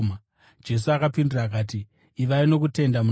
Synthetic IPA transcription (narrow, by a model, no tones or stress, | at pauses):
m | d͡ʒe̞s̬uakapindiraːk̬aːt̬iː | ʋaino̞k̬ute̞ndamu